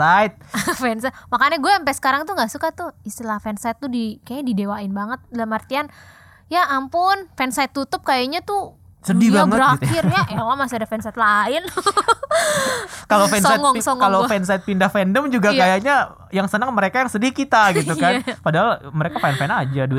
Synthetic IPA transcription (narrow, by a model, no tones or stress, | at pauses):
aɪt̪̚fɛnsat̪makaɲaɡuɛəmpɛsə̥kaɾaŋt̪uŋɡaʔsukat̪uist̪ilahfɛnsajt̪ːudikaaadidewaɪnbaŋət̪̚dalamart̪ian | jaːmpʊnfɛnsajt̪ːut̪ʊp̚kajaɲat̪ʊ | sədibaŋətɾat̪kɪrjakakamasiadafɛnsait̪̚laɪn | kalofɛnsaŋɔŋsɔŋalofɛnsait̪̚pindahfɛndəmd͡ʒuɡakajaɲa | jaŋsənəŋməɾekajaŋsədihkit̪aɡit̪ukanpadaɦalməɾekafanfɛnad͡ʒaduɪ